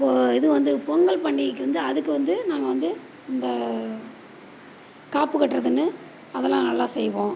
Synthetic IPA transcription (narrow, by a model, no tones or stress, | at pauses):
pːoːɪðɯkːɯʋɐnd̪ɯpɔŋɡɐɭpɐɳːɪkːɯʋɐnd̪ɯɐðɯkːɯʋɐnd̪ɯnaːŋɡɐʋɐnd̪ɯ | ɪnd̪ɐ | kaːpːɯkɐʈːɾɐðɯnːɯ | ɐðɛlːãːnɐlːãːsɛjʋõː